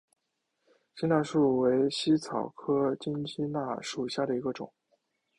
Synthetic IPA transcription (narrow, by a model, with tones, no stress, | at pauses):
t͡ɕi˥na˥˧ʂu˥˩we˧˥ɪɕi˥t͡sʰɑ˨˩ʊkʰɤ˥t͡ɕi˥nt͡ɕʰi˥na˥˩ʂu˨˩ɕja˥˩d̪ə˩i˧˥ɡə˧ʈ͡ʂʊ̰˨˩˦ŋ